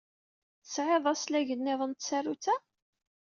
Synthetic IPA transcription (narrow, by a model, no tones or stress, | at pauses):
θəsʕeðˤɑslæʝənːɪðˤənt̪særːut͡sæ